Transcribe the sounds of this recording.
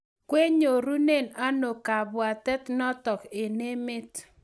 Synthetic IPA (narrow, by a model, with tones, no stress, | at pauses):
kwe˦ɲo˨ɾu˦ne˦˨na˦no˨ka˨bwa˨tɛ˦tnɔ˦tɔ˨kɪ˨ne˦mɪ˦t